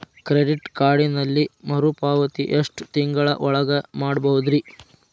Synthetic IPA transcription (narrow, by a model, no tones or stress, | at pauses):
kɾeɖiʈkaːɾɖinɐlːimɐɾupaːʋɐt̪iʔeʂʈt̪iŋɡɐɭɐ̰ʔɔɭɐɡɐmaːɽbɐɦud̪ɾi